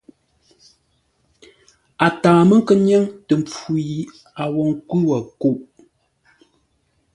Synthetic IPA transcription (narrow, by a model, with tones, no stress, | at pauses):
a˨tãː˨mə˦ŋ̩˦kə˦ɲjɛ˦ŋtə˨mp͡fu˨ji˨ | a˨wɔ˨ŋ˦kwʉ˦wa˨ku˦˨ʔ